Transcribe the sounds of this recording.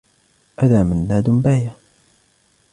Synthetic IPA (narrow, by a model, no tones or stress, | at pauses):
ʔaðaːmanːaːd̪ʊmbaːja